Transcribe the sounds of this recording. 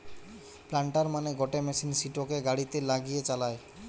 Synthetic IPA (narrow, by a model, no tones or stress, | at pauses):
plaɳʈaɾmaneɡɔʈemesinsiʈokeɡaɽit̪elaɡijet͡ɕalae